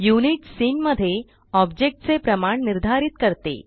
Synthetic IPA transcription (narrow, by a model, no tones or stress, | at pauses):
juniʈsiːnməd̪ʱːje | ɔbd͡ʑek̚ʈ̚t͡sepɾəmaɳniɾd̪ʱaɾit̪kəɾt̪ḛ